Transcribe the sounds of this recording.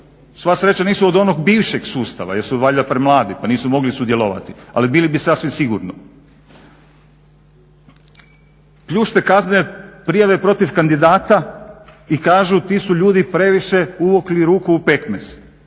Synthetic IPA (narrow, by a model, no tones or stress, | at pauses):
sʋasɾe̞t͡ɕaniːsuod̪o̞noɡbiːʋʃe̞ɡsuːst̪a̰ʋa̰jeɾsud̪ʋaːʎilapɾemlˠaːd̪ipaniːsumo̞ɡlisud̪je̞loʋa̰t̪ia̰libiːlibisasʋimsiɡuɾno | pʎuːʃt̪e̞kazneepɾijaʋe̞pɾo̞t̪ifkand̪id̪aːt̪a | ikaːʒut̪iːsuʎuːd̪ipɾe̞ʋiʃe̞uʋokliɾuːkuːpe̞kmḛs